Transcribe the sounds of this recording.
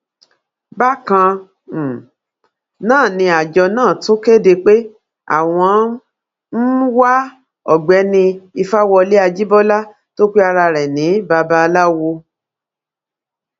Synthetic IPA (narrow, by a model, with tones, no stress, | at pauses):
ba˦kã˧˨ | nãː˦˨nĩ˧a˨d͡ʒɔ˧nãː˦˨tũ˨˦ke˦˨de˧k͡pe˦ | a̰˦˨w̃ɔ̃˧˦ | n̩˦wa˦ | ɔ˦˨ɡ͡bɛ˨˦nĩ˧i˧fa˦wɔ˧le˦a˧d͡ʒi˦bɔ˦la˦ | to˦k͡pe˦a˧ɾa˧ɾɛ˨nĩ˨˦ba˧ba˦˧la˦˧wo˧